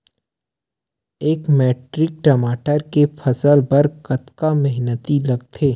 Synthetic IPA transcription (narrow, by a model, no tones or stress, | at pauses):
eːkmeːʈɾɪk̚ʈɐmaːʈəɾkefʰɐsəlbɐɾkɐt̪kamɛɦnət̪ilɐɡ̚t̪ʰeː